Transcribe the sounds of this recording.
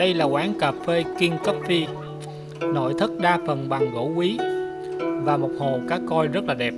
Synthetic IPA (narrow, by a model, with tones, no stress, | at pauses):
ə˧jlaː˨˩kwaː˨˦ŋkaː˨˩p̚fe˧ki˧əŋkə˦˥p̚fi˧ | no̰˧˨jt̪ʰɨ˦˥t̚ɗaː˧fə˨˩nɓa˨˩ŋɣo̰˧˥kwi˨˦ | vaː˨˩mo˨˩k͡p̚ho˨˩kaː˦˥kːɔ˧jzə˦˥t̚laː˨˩ɗɛ˨˩p̚